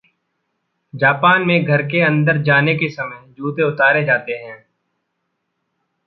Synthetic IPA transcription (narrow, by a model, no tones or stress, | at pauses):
d͡ʒaːpaːnmẽɡʱɐɾkeɐ̃nd̪əɾd͡ʒaːnekesɐməjd͡ʒuːt̪eʊt̪aːɾed͡ʒaːt̪eɦɛ̃ː